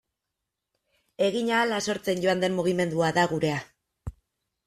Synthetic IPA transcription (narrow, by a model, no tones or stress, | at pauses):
e̞ɣiɲaːlaso̞ɾt͡se̞nɟo̞and̪e̞mmuɣ̞ime̞nd̪uaðaɣuɾe̞a